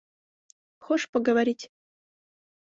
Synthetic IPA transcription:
xoʂpəɡəvaɾʲitʲ

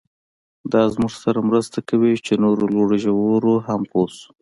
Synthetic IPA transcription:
d̪ɑzmuʐsaɾamɾəst̪akawit͡ʃenoɾoloɽʒawoɾoɦamposu̥

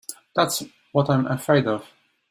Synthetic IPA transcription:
ðæts | wʌtãɪ̃mʔəfɹeɪdʌv̥

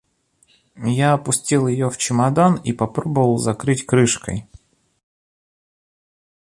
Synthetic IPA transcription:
jaɐpʊsʲtʲilˠjɪjoft͡ɕɪmɐd̪anipɐpɾo̞bəvəlˠzɐkɾɨtʲkɾɨʂkə̰j

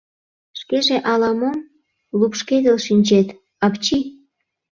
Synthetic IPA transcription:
ʃkeʒeʔɑlɑmom | lupʃked̪elʃinʲt͡ɕet̪ | ɑpt͡ɕi

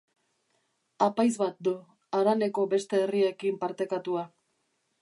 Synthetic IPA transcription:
apajzβat̪̚d̪u | aɾane̞ko̞be̞st̪e̞ːrie̞kimpaɾt̪e̞kat̪ua

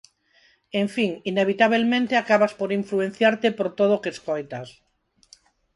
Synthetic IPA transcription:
ẽɱfiŋineβ̞it̪aβ̞elmẽnt̪eakaβaspoɾiɱfluẽn̟θjaɾt̪epoɾt̪oðokeskojt̪as

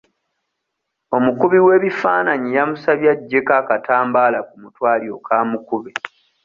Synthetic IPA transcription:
o̞mukuβiwe̞ːβifaːnaɲijamusaβjaɟːe̞kakataːmbaːlakumutwaːlio̞kʰaːmukuβi

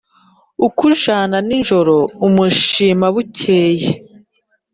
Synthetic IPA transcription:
ukuʒaːnaniɲʒo̞ɾo̞umuʃiːmaβucʰeːje

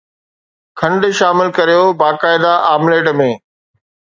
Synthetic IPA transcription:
kʰɐ̃ɳɖʃaːmɪlkɐɾijobaːkaːɪd̪aʔaːmleːʈmẽː

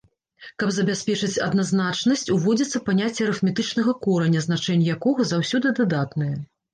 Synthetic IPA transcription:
kɐbzɐbʲasʲpʲɛt͡ʂɨt͡sʲɐ̰d̪naznat͡ʂnɐsʲt͡sʲuvɔd͡zʲit̪sːɐpanʲat͡sʲːɛɾɨfmʲɛt̪ɨt͡ʂnɐɣɐkɔɾɐnʲːɐznat͡ʂɛnʲːjakɔɣɐzawsʲɔd̪ɨd̪ad̪at̪nɨjɐ

